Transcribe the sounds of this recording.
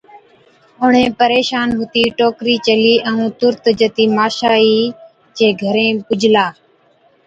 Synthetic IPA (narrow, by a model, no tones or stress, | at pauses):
ʊɳ̤ẽːpəɾeːʃaːnɦʊt̪iːʈoːkɾiːt͡ʃəliːʔəũːt̪ʊɾt̪d͡ʒət̪iːmaːʃaːiː | t͡ʃeːɡʱəɾẽːpʊd͡ʒʱlaː